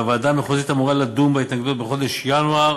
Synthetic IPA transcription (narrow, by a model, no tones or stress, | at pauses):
vad̪amjeχozit̪amuʁalad̪umbeit̪naɡd̪ut̪̚beχo̞d̪eʃjanua